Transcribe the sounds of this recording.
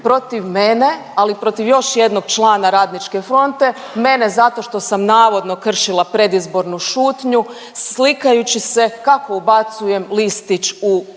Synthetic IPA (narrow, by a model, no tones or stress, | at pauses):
pɾo̞t̪iʋme̞ne̞ | alipɾo̞t̪iʋjo̞ʃje̞d̪no̞ɡt͡ʃlˠaːnaɾaːd̪nit͡ʃke̞fɾo̞nt̪e̞ | me̞ne̞zat̪o̞ʃt̪o̞samnaːʋo̞d̪no̞kr̩ʃilˠapɾe̞d̪izbo̞ɾnuʃuːt̪ɲu | slikajut͡ɕise̞kako̞ubat̪suje̞mlist̪it͡ʃu